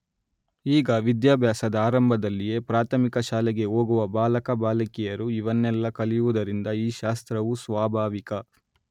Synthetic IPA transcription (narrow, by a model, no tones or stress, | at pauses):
iːɡɐʋid̪jaːbʱjaːsɐd̪ɐaːɾɐmbʱɐd̪ɐlːije̞pɾaːt̪ʰɐmikɐʃaːlɛɡe̞oːɡuʋɐbaːlɐkɐbaːlɐkijɐɾuiʋɐnːɛlːɐkɐlijuʋud̪ɐɾind̪ɐiːʃaːst̪ɾɐʋusʋaːbʱaːʋikɐ